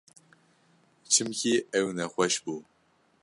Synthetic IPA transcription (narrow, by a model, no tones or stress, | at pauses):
t͡ʃʰɨmkʲiːɛwnɐχʷɐʃbu